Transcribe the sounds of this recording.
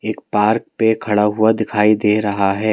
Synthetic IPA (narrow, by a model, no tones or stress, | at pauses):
eːkpaːɾk̚pekʰɐɽaɦʊad̪ɪkʰaːid̪eːɾɐɦaɦɛː